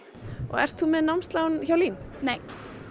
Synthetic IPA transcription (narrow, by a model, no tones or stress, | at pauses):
ɔ̰ɣɛ̰r̥t̪θumɛðnamst̪lawnçawliːnnej